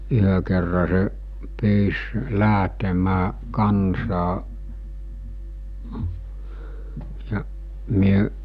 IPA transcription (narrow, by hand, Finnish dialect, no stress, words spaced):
yhø kerːɑ se pyːs læˑɦtemæː kɑnsɑː jɑ myø